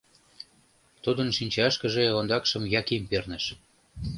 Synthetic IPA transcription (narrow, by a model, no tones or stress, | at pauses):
t̪ud̪ənʃinʲt͡ɕɑʃkə̆ʒĕjɑlɑnd̪ɑkʃə̆mjɑkempernə̆ʃ